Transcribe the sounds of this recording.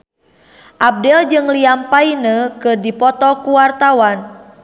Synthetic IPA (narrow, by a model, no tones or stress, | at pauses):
ʔab̚dɛld͡ʒɨŋliampainəkɨrdipɔt̪ɔkuwart̪awan